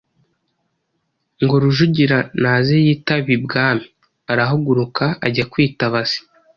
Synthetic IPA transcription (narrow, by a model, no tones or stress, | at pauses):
ŋɡo̞ɾuʒuɟiɾanazejiːtaβibɡaːmi | aɾaɦoɡuɾukaaɟakwiːtaβaz̥i̥